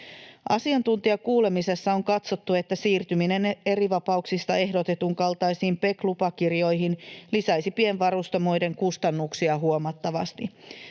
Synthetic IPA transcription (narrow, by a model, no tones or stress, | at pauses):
ʔɑ̰siɑnt̪unt̪iɑkuːle̞mise̞sːɑo̞ŋkɑt̪so̞t̪ːue̞t̪ːæsiːrt̪ymine̞ne̞riʋɑpɑuksist̪ɑe̞ɦdo̞t̪e̞t̪uŋkɑlt̪ɑjsiːmpe̞klupɑkirjo̞jɦinlisɑjsipienʋɑrust̪omo̞jde̞ŋkust̪ɑnːuksiɑɦuomɑt̪ːɑʋɑ̰st̪i